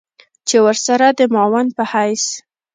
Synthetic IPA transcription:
t͡ʃewəɾsaɾad̪əmɑwanpəhajs

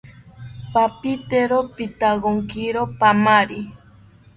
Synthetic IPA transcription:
papit̪eɾopit̪aɣoŋkiɾopamaɾi

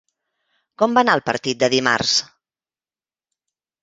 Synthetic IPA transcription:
kɔmbanaəlˠpəɾt̪it̪̚d̪əðima̰rs

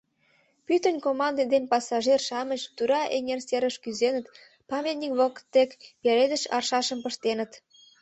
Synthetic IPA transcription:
pyt̪ə̆nʲkomɑnd̪ed̪enpɑsɑʒerʃɑmət͡ɕt̪uɾɑʔeŋʲerseɾəʃkyzenə̆t̪ | pɑmʲet̪nʲikβəkə̥t̪ːekpeɾed̪əʃɑrʃɑʃə̆mpə̆ʃt̪enə̆t̪

